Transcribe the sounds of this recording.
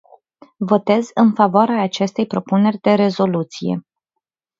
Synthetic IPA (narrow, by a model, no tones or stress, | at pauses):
vo̞t̪e̞zɨnfavoaɾeaːt͡ʃe̞st̪e̞jpɾo̞pune̞rʲd̪e̞ɾe̞zo̞lut̪sije̞̰